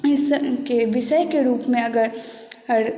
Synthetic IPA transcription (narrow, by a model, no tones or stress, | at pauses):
ɪskeʋɪʃəjkeɾuːpmẽɐɡəɾ | ɾ